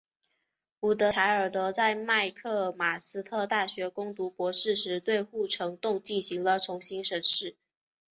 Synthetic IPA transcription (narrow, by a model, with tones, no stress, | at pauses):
u˨˩t̪ɤ˧˥t̪ʰa˧˥ɪə˞˨˩t̪ɤ˧˥t͡sa˥˧ɪma˥˧ɪkʰɤ˥˩ma˨˩sɹ̩˥t̪ʰɤ˥˧t̪a˥˩ɕɥɛ˧˥kʊ˥ŋt̪u˧˥pwɔ˧˥ʂɻ̩˥˩ʂɻ̩˧˥t̪we˥˧ɪxu˥˩ʈ͡ʂʰɤ˧˥ŋt̪ʊ˥˧ŋt͡ɕi˥˩nɕi˧˥ŋlə˧ʈ͡ʂʰʊ˧˥ŋɕi˥ŋʂə˧˥nʂɻ̩˥˩